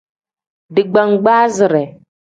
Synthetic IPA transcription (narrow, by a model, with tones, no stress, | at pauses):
dɨ˨ɡ͡ba˨ŋɡ͡baː˦zɨ˨ɾɛ˨